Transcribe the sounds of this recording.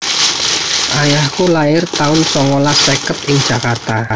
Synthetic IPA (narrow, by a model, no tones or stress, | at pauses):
ʔajahkulaɪrt̪aʊnsɔŋolasekət̪ɪŋd̥ʒ̥ä̤kart̪a